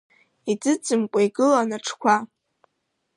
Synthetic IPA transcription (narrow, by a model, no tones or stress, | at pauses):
id͡zɨt͡sʼɨmkʷʼajɡɨlanaʈ͡ʂʰkʷʰa